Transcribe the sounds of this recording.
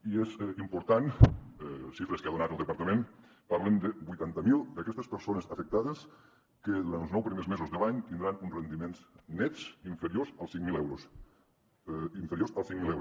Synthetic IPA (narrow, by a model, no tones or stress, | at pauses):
iezimpuɾt̪an | sifɾeskeaðunat̪əlˠd̪epaɾt̪əmẽn | paɾlemd̪ebujt̪ant̪əmilˠd̪əkɛst̪əspeɾsonəsɐfek̚t̪aðəs | keðuɾant̪loznɔwpɾimezmezozðelaɲt̪ind̪ɾanunrend̪imenznɛt̪siɱfeɾjosəlˠsiŋmilɛwɾos | iɱfeɾjosalˠsiŋmilˠɛwɾo